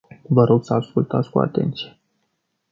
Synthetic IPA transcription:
vəɾo̞ɡsəaskult̪at̪skua̰t̪e̞̰nt̪sije

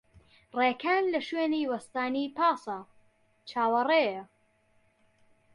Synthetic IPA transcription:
reːkʰaːnlɐʃweːniːwɐst̪aːniːpɑːsɐ | t͡ʃʰaːwɐreːjɐ

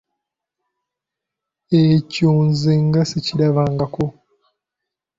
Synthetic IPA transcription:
ecoːnziŋɡasiciɾaβaːŋɡako

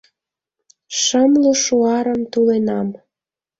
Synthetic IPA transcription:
ʃəmluʃuɑɾəmt̪ulenɑm

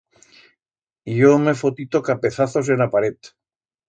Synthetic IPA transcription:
jomefot̪it̪o̞kapeθaθo̞s̬enapaɾet̪

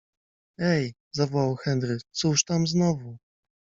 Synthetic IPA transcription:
ɛj | zavɔwawxɛnd̪ɾɘkt̪suʂt̪amznɔvu

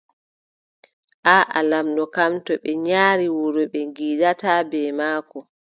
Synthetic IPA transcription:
ʔaʔa̰lamɗɔkamtɔɓɛɲaːɾiwoɾɔɓɛŋɡiːɗatabɛːmaːkɔ

